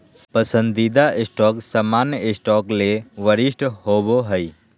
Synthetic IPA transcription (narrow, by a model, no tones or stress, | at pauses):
pəsə̃nd̪id̪aʔɪsʈɔːksəmaːnjɪsʈɔːkleʋəɾɪsʈhoːboɦəi